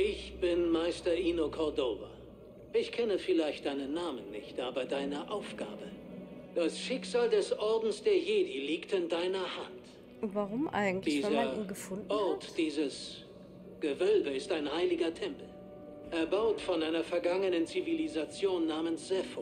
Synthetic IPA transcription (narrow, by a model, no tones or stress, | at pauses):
ʔɪçb̥ɪnmaɪstɐʔiːnokʰɔɐdoːvɐ̰ | ʔɪçkʰɛnəfɪlaɪçtd̥aɪnənːaːmənːɪ̰çtʔaːbɐdaɪnɐʔaʊfɡ̥a̰ːbəd̥asʃɪkz̥aːldɛsʔɔɐdn̩sd̥eːɐjeːdiliːktɪndaɪnɐhant | vaʁʊmʔa̰ɪɡŋ̩d̥iːzɐɡəfʊnʔɔɐtd̥iːzəs | ɡ̥əvœlbəɪstaɪnhaɪlɪɡɐtʰɛmpl̩ | ʔɛɐbaʊtfɔnʔaɪnɐfɛɐɡaŋənənt͡sivilizat͡sjoːnːaːmənsz̥ɛfo